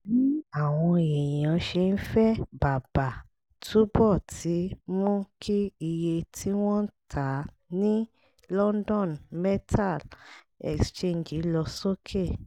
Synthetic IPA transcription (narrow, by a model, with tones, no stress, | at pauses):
ni˦a˦˨w̃ɔ̃˧e˨j̃ã˨˦ʃe˧n̩˦fɛ˦ba˨ba˨ | tʰu˦bɔ˦˨ti˨˦mũ˦kʰi˦i˧je˧tʰi˦w̃ɔ̃˦n̩˦tʰa˨˦ | nĩ˦ | lɔ˦ndɔ̃˦˨nmɛ˦tʰa˦˨l | ɛ̰˨kst͡ʃe˦˨n˨d͡ʒi˨˦lɔ˧so˦kʰe˦˨